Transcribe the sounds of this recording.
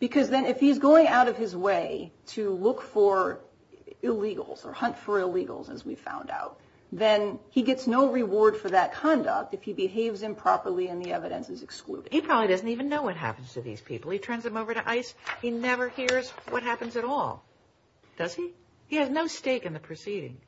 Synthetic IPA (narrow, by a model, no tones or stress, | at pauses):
b̥ɨkʰʌzðɨ̃nɨfhiɨzɡoʊɪ̃ŋaʊɾʌv̥ɨzweɪɾɨlʊkfə˞ | ɪliɡl̩ˠz̥ə̰˞hʌ̃ntfə˞ɪliɡl̩ˠzɨ̰zwiv̥fã̰ʊ̃nda̰ʊt̪̚ | ðɨ̃niɡɛtsnoʊɹɨwɔɹd̥fə˞ðɨt̚kʰɑ̃ndʌ̰k̚tɨfhibɨɦeɪvz̥ɨ̃mpʰɹ̥ɑ̰pə˞lˠiɨ̃nðiɛvɨɾɨ̰̃nsɨzɨksklṵɾɨdipʰɹ̥ɑbəblidʌzn̩tivɨ̃nːoʊwʌt̚ɦæ̰pn̩z̥tʰɨðḭz̥pʰḭpl̩ˠitʰɜ̃˞nzðɨ̃moʊvə˞ɾɨʔaɪshinɛvə˞hiɹzwʌt̚ɦæpɨ̃n̩zɨɾɔlˠ | d̥ʌz̥i | hiɨznoʊsteɪkɨ̃nðɨpʰɹ̥ɨsiɾɪ̰̃ŋ